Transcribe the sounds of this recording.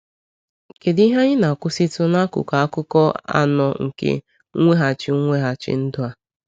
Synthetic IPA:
ke˨di˦ɦa˦ɲɪ˦na˨kʷʊ˦sɪ˦tʊ˦na˦kʊ̰˨ka˨a˦kʊ˦kɔ˦a̰˦nɔ˨ŋ̩˨kḛ˦ | ŋʷe˦ɦa˨t͡ʃɪ˦ŋʷe˦ɦa˨t͡ʃɪ̰˦n̩˦dʊ˦a˨

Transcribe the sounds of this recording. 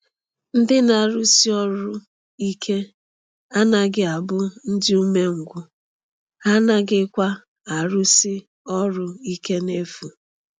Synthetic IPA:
n̩˦dɪ˦na˨ɾu˦si˦ɔ˦ɾʊ˦ | i˦kʰe˦ | a˦na˦ɡɪ˨a˨bʊ˦n̩˦dɪ˦u˦me˦ŋ̩˨ɡʷʊ˨ | a˦na˦ɡɪ˦kʷa˦ | a˨ɾu˦sɪ˦ | ɔ˦ɾʊ˦i˦ke˦ne˦fu˨

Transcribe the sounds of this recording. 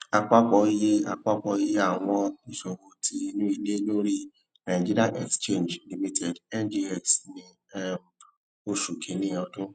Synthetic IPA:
a˧k͡pa˦k͡pɔ˧˦i˦je˦a˧k͡pa˦k͡pɔ˧˦i˦je˦a˦˨w̃ɔ̃˦nĩ˦ʃo˧wo˧tʰi˦i˧˦nũ˦i˧˨le˦lo˦ɾi˦ | nã˨d͡ʒi˦ɾi˦a˦nʔɛ˨kst͡ʃe˦˨nd͡ʒli˨mi˦tʰɛ˨dɛ˦nd͡ʒi˧˦ɛ˨snĩ˧ | ɛ˦m˨ | o˦ʃu˨kʰẽ˨˦nĩ˦ɔ˧dũ˦

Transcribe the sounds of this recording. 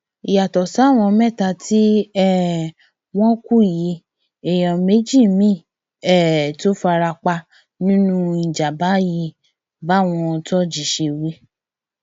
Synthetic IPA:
i˨ja˨tɔ˨sa˨˦˨w̃ɔ̃˧mɛ̃˦˨ta˧ti˦ɛ˦˨ | w̃ɔ̃˦ku˦i˨ji˨˧˦ | e˨j̃ɔ̃˨me˨˦d͡ʒi˦˨mĩ˦ | ɛ˦˨to˦fa˧ɾa˧k͡pa˧ | nĩ˦nũ˦ĩ˨d͡ʒa˨ba˨˦ji˧˦ | ba˦˨w̃ɔ̃˧tɔ˦d͡ʒi˨ʃe˧we˦

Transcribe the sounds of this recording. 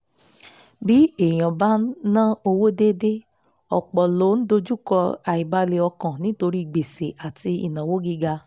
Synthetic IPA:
bi˨˦e˨j̃ã˨ba˦nã˦o˧wo˦de˦de˦ | ɔ˨k͡pɔ˨lo˨˦n̩˦do˧d͡ʒu˦˨kɔ˧a˨i˨ba˧˦le˧ɔ˧kã˨nĩ˨˦to˧ɾi˦i˨ɡ͡be˨se˨ʔa˨ti˧ḭ˨nã˨wo˦ɡi˦ɡa˧

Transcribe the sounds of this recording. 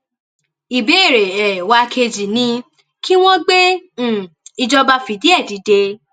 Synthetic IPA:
i˨be˨˦e˦˨ɾe˨ɛ˨wa˧˦kʰe˧d͡ʒi˨nĩ˧ | ki˦w̃ɔ̃˦ɡ͡bẽ˦˨ | i˧d͡ʒɔ˧ba˧fi˨˧di˦ɛ˦˨di˨˦de˧

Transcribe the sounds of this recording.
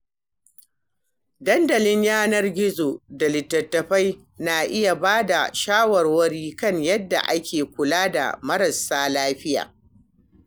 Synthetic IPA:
dɐ˦ndɐ˨lɪ˦ɲjaː˦nɐ˦rɡʲɪ˦zo˨da˨lɪ˨tːɐ˨tːɐ˨ɸa˦j | naː˨ʔɪ˦ja˨baː˦da˨ʃaː˦wɐ˨rwɐ˦ɽiː˦kɐ˦˨ɲjɐ˦dːa̰˨ʔa˦kʲʰeː˨kʷʊ˨laː˦da̰˨mɐ˦ɾɐ˨sːaː˦laː˦ɸɪ˦ja̰ː˨

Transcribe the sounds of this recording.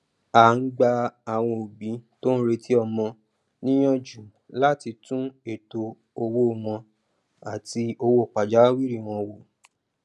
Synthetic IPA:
a˨ŋ̩˦ɡ͡ba˧a˨w̃ɔ̃˧o˨bĩ˨˦to˦n̩˦ɾe˧tʰi˦ɔ˧˨mɔ̃˧ | nĩ˦j̃ɔ̃˦d͡ʒu˨ | la˦ti˧tũ˦e˦˨to˧ | o˧wo˦˨w̃ɔ̃˧ | a˨ti˧o˧wo˦˨k͡pa˨d͡ʒa˨˦wi˦ɾi˦˨w̃ɔ̃˧wo˨

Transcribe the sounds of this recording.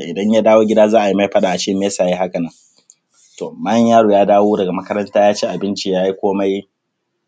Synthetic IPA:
ʔɪ˨dɐ˦ɲja˦daː˦woː˦ɡʲɪ˦daː˦zaː˦ʔa˨ji˦ma˦jɸɐ˦ɗaː˨ʔa˨t͡ʃɪ˦mː˦e˦saː˨ji˦ɦa˦kɐ˨nɐ˦ŋ | toː˨mɐ˦ɲjaː˦ɽuː˨jaː˦daː˦woː˦dɐ˨ɡa˨mɐ˦kɐ˦ɾɐ˦ntaː˦jaː˦t͡ʃeː˦ʔa˨bɪ˦nt͡ʃi˦jaː˦ji˦kʷoː˦ma˦ji˦

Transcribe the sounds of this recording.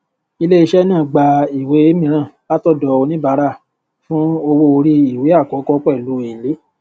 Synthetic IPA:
i˧le˦i˧ʃɛ˦nã˦˨ɡ͡ba˧i˨we˨˦i˦mĩ˧ɾ̃ã˦˨la˦tɔ˦˨dɔ˨˧˨o˧nĩ˦ba˨˦ɾa˦˨ | fũ˦o˧wo˧o˧ɾi˦i˨we˨˦a˦˨kɔ˨˦kɔ˦k͡pɛ˦˨lo˨˦e˨le˨˦

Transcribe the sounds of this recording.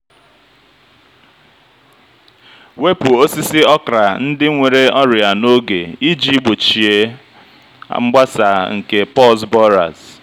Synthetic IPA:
we˦pu˨o˦si˦sɪ˦ɔ˦kɾa˨n̩˦dɪ˦ŋʷe˨ɾe˦ɔ˦ɾja˨no˦ɡe˨i˦d͡ʒi˦ɡ͡bo˨t͡ʃi˨e˨ | a̰˦ŋ͡m̩˦ɡ͡ba˦sa˨ŋ̩˨ke˨pɔ˦s̬bɔ˦ɾa̰˨z

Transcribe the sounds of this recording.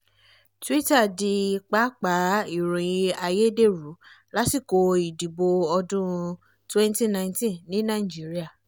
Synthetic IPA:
twi˦ta˦˨di˧˨k͡pa˦k͡pa˨˦i˨ɾũ˨jĩ˧a˧je˦de˦˨ɾu˨˦ | la˦si˦˨ko˧i˨di˨bo˧ɔ˧dũ˦˧ | twɛ˦n˦ti˦nã˧˦ĩ˦tĩ˦nĩ˦nã˦˨d͡ʒi˨˦ɾi˦a˦˨

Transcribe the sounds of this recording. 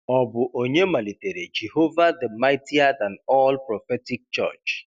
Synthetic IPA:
ɔ˨bʊ˨ʔo˨ɲe˦ma˨li˨te˨ɾe˨d͡ʒe˨ho˦va˦də˨ma˦ɪti˦a˦da˨nɔ˦lpɾɔ˨fɛ˦tɪ˦k̚t͡ʃə̰˦˨t͡ʃ

